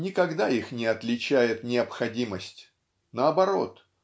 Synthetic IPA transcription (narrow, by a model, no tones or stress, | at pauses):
nʲɪkɐɡd̪aixnʲɪɐt̪lʲɪt͡ɕæjɪt̪nʲɪɐpxɐdʲiməsʲtʲ | nəɐbɐɾo̞̰t̪